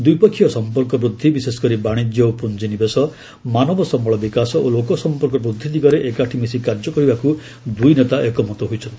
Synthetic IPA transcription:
d̪ujpɔkʰːijɔsɔmpɔɾkɔbɾud̪ʱːibisesɔ̥kɔɾibaɽ̃id͡ʒjɔpund͡ʒinibesɔ | manɔbɔsɔmɔɭɔbikasɔʔolokɔsɔmpɔɾkɔbɾud̪ʱːit̪ikɔɾeʔekaʈʰimisikaɾd͡ʒɔkɔɦibaku | d̪ujnet̪aʔekɔmɔt̪ɔɦojt͡ʃʰɔnt̪i̥

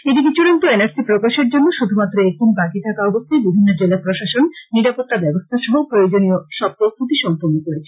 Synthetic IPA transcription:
eʈikit͡ɕuɽont̪oenaɾsipɾokaʃeɾd͡ʑonːoʃud̪ʱumat̪ːɾoek̚d̪inbakit̪ʰakaɔbost̪ʰajbibʱinːod͡ʑelapɾoʃaʃonːiɾapot̪ːabɛbost̪ʰaʃɔɦopɾojod͡ʑonijoʃɔb̚t̪ost̪ʰut̪iʃɔmpoɾnːokoɾet͡ɕʰe̥

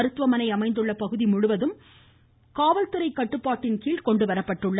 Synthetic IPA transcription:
ɾɯt̪ːʋɐmɐnɐɪɐmɐɪnd̪ɯɭːɐpɐɣɯðimʊɻʊʋɐðɯm | kaːʋɐlt̪ɯɾɐɪkːɐʈːɯpːaːʈːɪnkiːɭkɔɳɖɯʋɐɾɐpːɐʈːɯɭːɐ

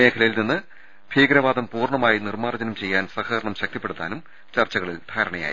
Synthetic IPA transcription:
me̞ːkʰɐlɐjilninːɨ | b̥ʱiːɡɾɐʋaːd̪ɐmpuːrɳɐmaːjinirmaːrɐd͡ʑɐnɐmt͡ɕe̞jːaːnsɐhɐːɾɐɳɐmɕɐk̚t̪ipːe̞ɽut̪ːa̰ːnum | t͡ɕɐrt͡ɕːɐɣɐɭild̪ʱaːɾɐɳɐja̰ːji

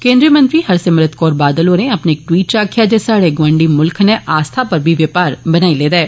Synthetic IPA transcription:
kẽːnd̪ɾijəmə̃nt̪ɾiːhəɾsɪmɾət̪ʰkɔːɾbaːd̪əloːɾẽəpneːk̚ʈwiːʈ̚t͡ʃaːkʰɪjaːd͡ʒesaːɽeːɡʋə̃ɳɖiːmʊlkʰnɛʔaːst̪ʰapəɾbʱiʋjəpaːɾbənaːileːd̪aɛː

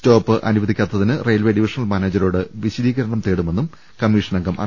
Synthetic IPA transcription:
t͡ɕo̞ːpːɨʔɐ̰nuʋɐd̪ikʲːaːt̪ːɐðinɨrejɐlʋeːɖiʋiʂɐnɐlmaːneːd͡ʑɐɾo̞ːɽɨʋiɕɐd̪iːɣɐɾɐɳɐmt̪eːɽume̞nːum | kɐmːiːʂɐnɐŋɡɐmʔɐ̰

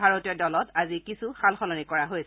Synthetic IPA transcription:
aɹotijɔdɔlɔtazikisuxalxɔnɔnikɔɹaɦojs

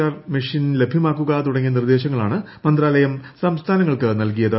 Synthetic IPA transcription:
aːrmiʂinle̞bʱjiɐmaːkːuɣat̪uɽɐŋːinird̪e̞ːɕɐŋːɐɭa̰ːɳɨ | mɐnd̪raːlɐjɐmsɐmst̪ʰaːnɐŋːɐɭkɨnɐlk̬ijɐðɨ

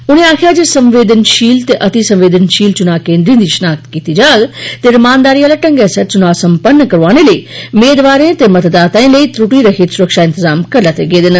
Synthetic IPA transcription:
ʊnẽːaːkʰɪjaːd͡ʒesəmʋeːd̪ənʃiːlt̪eʔət̪isə̃mʋeːd̪ənʃiːlt͡ʃʊnaːkẽːnd̪ɾĩːd̪iːʃənaːk̚t̪kiːt̪iːd͡ʒaːɡt̪eːɾəmaːnd̪aːɾiːaːlaːʈəŋɡɛːsɛɾt͡ʃʊnaːsəmpənːkəɾoaːneːləiːʊmeːd̪ʋaːɾẽːt̪eːmət̪d̪aːt̪aːẽːləiːt̪ɾʊʈiːɾəkʰiːt̪sʊɾəkʃaːɪ̃nt̪əzaːmkəɾlat̪eɡeːd̪ɪn

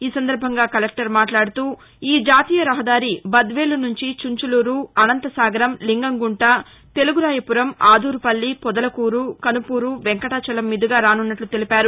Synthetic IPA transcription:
iːsɐnd̪ɐɾbʱɐŋɡaːkɐlek̚ʈɐɾmaːʈlaːɽut̪uː | iːd͡ʒaːt̪iːjɐɾɐɦɐd̪aːɾibɐd̪ʋeːlunuɲt͡ʃit͡ʃuɲt͡ʃuluːɾuɐnɐnt̪ɐsaːɡɐɾɐmliŋɡɐŋɡuɳʈɐ | t̪e̞luɡuɾaːjɐpuɾɐmaːd̪ʱuːɾupɐlːipɔd̪ɐlɐkuːɾukɐnupuːɾuʋɛŋkɐʈɐt͡ʃɐlɐmːid̪uɡaːɾaːnunːɐʈlut̪e̞lipaːɾu

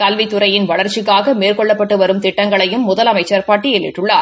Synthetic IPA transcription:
k̪ɐlʋɪt̪ːʊɾɐjɪnʋɐɭɐɾt͡ʃːɪkːaːɣɐmeːrkɔɭːɐpːɐʈːɯʋɐɾɯmt̪ɪʈːɐŋɡɐɭɐjɯmːʊðɐlɐmɐɪt͡ʃːɐɾpaːʈːijɛːɭːɪʈːʊɭːaːɾ

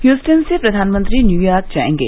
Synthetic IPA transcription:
hjuːsʈənsepɾɐd̪ʱaːnmə̃nt̪ɾinjuːjaːɾk̚d͡ʒa̰ḛ̃ŋɡḛ

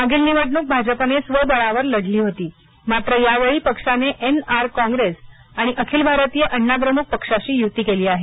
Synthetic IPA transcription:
aɡilniʋəɽɳuːk̚bʱad͡ʑəpənesʋəbəɭaʋəɾləɽliːɦot̪iː | mat̪ɾəjaʋəɭiːpəkʂaneʔenaɾkɔ̃ŋɡɾesaɽ̃iʔəkʰiːlbʱaɾət̪ijəʔəɳːapɾəmuk̚pəkʂaɕiːjut̪iːkeliːaɦe

